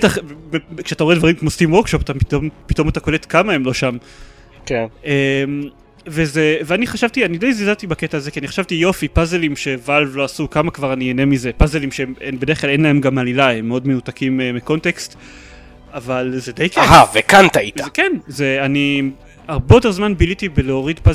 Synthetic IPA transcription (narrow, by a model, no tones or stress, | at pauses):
t̪aχekʃeat̪aoed̪vaʁimkmostimwo̞ʁkʃopat̪api̥t̪ompit̪o̞mat̪ako̞let̪kamaemlo̞ʃam | kenem | ve̞zeveaniχaʃavt̪ianidejzizat̪ibaketaːzekianiχḁʃavtijo̞fipazelimʃe̞valvloasukamakvaʁaniene̞mize̞pazelimʃeemenbede̞χklalenlae̞mɡamalilaemːeo̞d̪menut̪akimemiko̞nt̪e̞kst̪ | avalzed̪ejkaɦavekant̪ait̪akenze̞ani | aʁbejote̞ʁzmanbilit̪ibeleo̞ʁid̪paz